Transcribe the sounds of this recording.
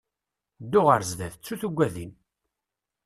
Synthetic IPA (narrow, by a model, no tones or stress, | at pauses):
d̪ːʊʁəɾzðæθt͡sːuθuɡʷːæðin